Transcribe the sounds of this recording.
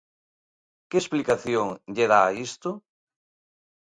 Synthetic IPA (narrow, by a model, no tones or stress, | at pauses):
keesplikaθjoŋʎeɾaist̪ʊ